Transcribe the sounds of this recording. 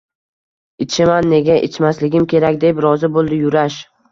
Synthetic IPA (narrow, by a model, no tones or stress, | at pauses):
ɪt͡ʃʰɪmanːe̞ɡʲaʔḛt͡ʃʰmaslɪɡʲɪmkʲe̞ɾakʲd̪e̞pɾɒzɪbolˠd̪ɪjʊɾaʃ